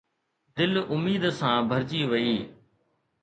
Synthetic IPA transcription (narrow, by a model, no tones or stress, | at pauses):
d̪ɪlʊmiːd̪sãːbʱəɾd͡ʑiːʋəiː